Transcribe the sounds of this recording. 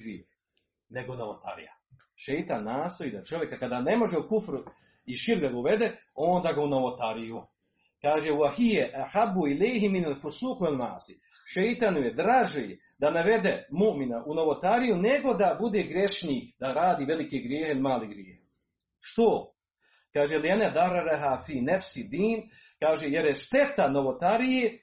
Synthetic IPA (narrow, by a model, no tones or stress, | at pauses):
ɡɾjeːh | neɡounoʋot̪a̰ɾḭja̰ | ʃejt̪anːaːst̪o̞iːd̪at͡ʃo̞ʋje̞kakad̪aːne̞mo̞ʒeukufɾu | iʃiɾɡd̪aɡauʋe̞d̪eo̞ːnd̪aːɡaunoʋot̪aɾiju | kaːʒeuahijeʔaħabːuilejɦiminalfusuːxualnaːsi̥ | ʃejt̪anujed̪ɾaːʒej | d̪anaʋe̞d̪emuʔminaʔuno̞ʋot̪aɾijuneɡo̞d̪abud̪eːɡɾjeʃniːkd̪aɾaːd̪iːʋelikeɡɾjeːhilimaːliɡɾjeːh | ʃt̪o | kaːʒelianad̪arːaɾaɦaːfiːnafsid̪iːn | kaːʒejeɾjeʃt̪e̞t̪anoʋot̪aɾijeː